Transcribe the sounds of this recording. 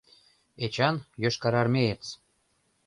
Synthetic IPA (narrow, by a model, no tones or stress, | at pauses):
et͡ɕɑnjøʃkɑɾɑrmʲejet͡s